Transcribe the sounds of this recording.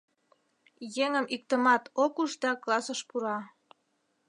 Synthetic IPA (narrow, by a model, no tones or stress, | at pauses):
jeŋəmik̚t̪əmɑt̪okuʃd̪ɑklɑsəʃpuɾɑ